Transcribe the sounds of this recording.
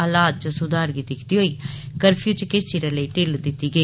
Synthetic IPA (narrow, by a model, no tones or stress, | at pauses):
aːlaːt̪̚t͡ʃəsʊd̪aːɾɡiːd̪ɪkʰt̪iːɦoːiː | kəɾpʰijut͡ʃkɪst͡ʃiːɾeːləiːʈeːld̪ɪt̪ːiːɡəiː